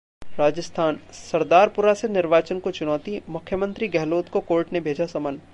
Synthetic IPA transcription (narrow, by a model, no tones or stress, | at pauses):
ɾaːd͡ʒəst̪ʰaːnsɐɾd̪aːɾpʊɾasenɪɾʋaːt͡ʃənkot͡ʃʊnɔːt̪imʊkʰːjəmə̃nt̪ɾiɡɛɦloːt̪kokoːɾʈnebʱeːd͡ʒasɐmən